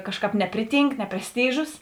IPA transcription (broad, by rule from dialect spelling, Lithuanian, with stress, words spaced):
ˈkɑːʃˌkɑːp ˈnʲæːpʲrʲɪˌtʲiːŋk nʲɛ pʲrʲɛsʲˈtʲiːʒʊs